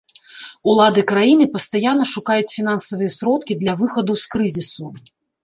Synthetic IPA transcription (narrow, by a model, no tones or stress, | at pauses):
ulˠad̪ɨkɾajinɨpɐst̪ajanːɐʂukajut͡sʲfʲin̪ansɐvɨjɛsɾɔt̪kʲid̪lʲɐvɨxɐd̪uskɾɨzʲisu